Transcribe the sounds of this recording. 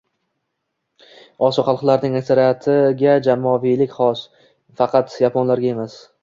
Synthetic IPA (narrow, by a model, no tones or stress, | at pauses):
ɒsɒχɑlˠqlaɾnɪŋakʲsaɾijat̪ʰɪɡʲad͡ʒamɒvilɪkʲχɒs | fɑqʰɑt̪japʰɒnlaɾɡʲae̞mas